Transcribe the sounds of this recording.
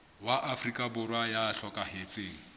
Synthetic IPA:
waʔafrikʼabʊrwajaːɬɔkʼahet͡sʼeːŋ̩

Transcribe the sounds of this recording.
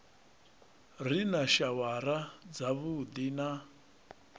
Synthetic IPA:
rinaʃawaɾad͡zaβud̪ina

